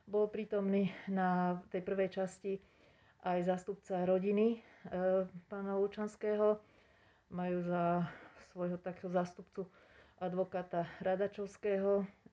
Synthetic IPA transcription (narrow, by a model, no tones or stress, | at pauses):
bɔlpɾiːt̪ɔmniːnat̪ɛjpr̩ʋɛjt͡ʃasci | ʔajzaːst̪up̚t͡saɾɔɟini | paːnaut͡ʃanskɛːɦɔ | majuːzasʋɔjɦɔt̪akɛːɦɔzaːst̪upt͡su | ʔad̪ʋɔkaːt̪aɾad̪at͡ʃɔʊskɛːɦɔ